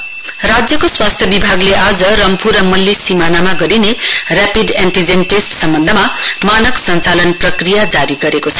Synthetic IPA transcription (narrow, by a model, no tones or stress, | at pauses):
rad͡zjʌkoswast̪ʰjʌbibʱaɡleʔad͡zʌrʌmpʰuɾʌmʌlːisimanamaɡʌɾinerapid̪eɳʈid͡zenʈesʈsʌmbʌnd̪ʱʌmamanʌksʌnt͡salʌnprʌkrijad͡zaɾiɡʌɾekot͡sʰʌ̥